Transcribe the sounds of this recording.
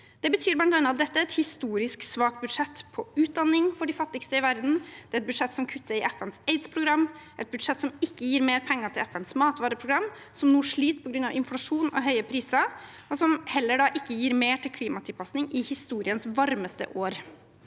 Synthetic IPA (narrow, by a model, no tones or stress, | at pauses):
d̪̥ɛbət̪ʰyːɾblɑnt̪ɾɑnɑt̪̚d̪ɛt̪ːəɛt̪hɪst̪uːɾɪsksʋɑːk̚t̪̚bʉd̪ʂɛt̪ːpʰɔʉːt̪̚d̪ɑnːɪŋfɔɖɪfɑt̪ːɪkst̪əɪʋæɾd̪n̩d̪̥ɛɾɛt̪̚bʉd̪ʂɛt̪ːsɔmkʰʉt̪ːəɾɪʔæfənseɪd̪spʰɾʊɡɾɑmːʔɛt̪̚bʉd̪ʂɛt̪ːsɔmɪkːəjiːɾmeːɾpʰɛŋːəʈʰɪlæfənsmɑːt̪ʋɑːɾəpʰɾʊɡɾɑmː | sɔmnuːʂɭiːt̪pʰɔɡɾʉnːɑʋɪnflɑʂuːnɔ̰ɦœʏəpʰɾiːsɑ | ɔsɔmhɛlːəɖɑːʔɪkːəjiːɾmeːʈʰɪlkʰliːmɑt̪ʰɪlpʰɑsnɪŋʔɪhɪst̪uːɾɪənsʋɑɾməst̪ə̰ʔoːɾ